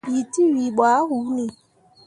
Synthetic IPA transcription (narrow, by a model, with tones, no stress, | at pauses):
i˨ti˦wi˨ɓwa˨˦hu˨˦ni˨